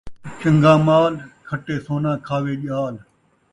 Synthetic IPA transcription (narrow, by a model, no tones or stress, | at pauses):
t͡ʃəŋɡãːmaːlkʰəʈːeːsoːnãːkʰaːʋeːʄaːl